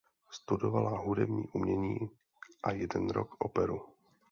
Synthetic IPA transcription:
st̪udovalaɦudɛbɲiːʔumɲɛɲiː | ʔajɛdɛnɾo̰kʔopɛɾu

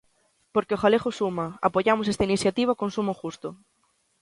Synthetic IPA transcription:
poɾkeoxalexosumaa̰poʝamos̬est̪ainiθjat̪iβaokonsumoxust̪o

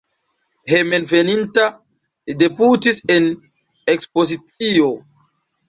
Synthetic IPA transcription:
hemenveninta | lideputisen | ekspozit͡sio

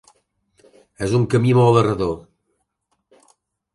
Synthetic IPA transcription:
ezuŋkəmimɔlərəðo

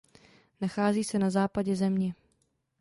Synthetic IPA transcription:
naxaːziːsɛnazaːpaɟɛzɛmɲɛ

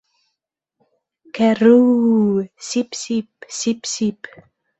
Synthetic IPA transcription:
kɛru | sipsipsipsip

